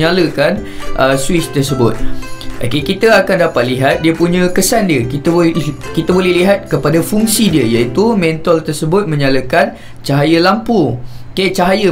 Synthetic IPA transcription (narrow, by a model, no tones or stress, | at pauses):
aləkanʔəswɪst̪ərsəbʊt̪̚ʔo̰kekit̪əakandapat̪̚liɦat̪̚diəpuɲãkəsandiəkit̪əkit̪abolɛhliɦat̪̚kəpadafuŋsidiəjait̪umɛ̃nt̪ɔlt̪ərsəbʊt̪̚mə̃ɲaləkan | t͡ʃaɦajəlampuket͡ʃaɦajə